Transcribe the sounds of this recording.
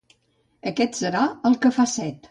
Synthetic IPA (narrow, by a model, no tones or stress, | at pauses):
əkɛt̪səɾaəlˠkəfasɛt̪